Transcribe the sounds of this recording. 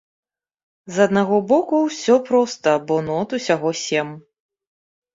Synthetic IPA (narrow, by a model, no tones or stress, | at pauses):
zɐd̪̚naɣɔbɔkuwsʲɔpɾɔst̪ɐbɔnɔt̪usʲaɣɔsʲɛm